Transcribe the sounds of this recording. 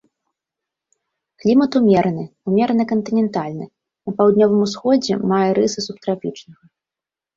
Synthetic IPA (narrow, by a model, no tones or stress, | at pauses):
klʲimɐt̪umʲɛɾɐnɨumʲɛɾɐnɨkɐnt̪ɨnʲɛnt̪alʲnɨ | nɐpawd̪nʲɔvɨmusxɔd͡zʲɛ̰majɛɾɨsɨsup̚t̪ɾafʲit͡ʂnɐɣɐ